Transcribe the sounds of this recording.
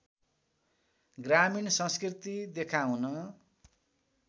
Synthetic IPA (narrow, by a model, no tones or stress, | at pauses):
ɡraminsʌ̃skrit̪id̪ekʰawnʌ